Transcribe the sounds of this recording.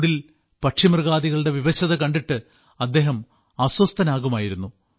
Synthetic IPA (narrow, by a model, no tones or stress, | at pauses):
ɽil | pɐʈʂimrɣaːðiɣɐɭɨɽe̞ʋiʋɐɕɐðɐkɐɳɖiʈːɨ | ɐd̪ːe̞ːɦɐm | ɐswɐst̪ʰɐnaːɣumaːjiɾunːu